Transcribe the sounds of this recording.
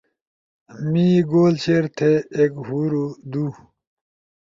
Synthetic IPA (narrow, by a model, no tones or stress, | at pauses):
miɡoːlt͡ɕʰeɾt̪ʰeekɦuːɾud̪u